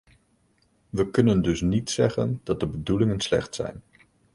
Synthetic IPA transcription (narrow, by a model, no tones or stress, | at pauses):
ʋəkɵnəndɵsnitsɛχə̰nd̥ɑt̚dəbədulɪŋənslɛ̰χtsɛ̰jn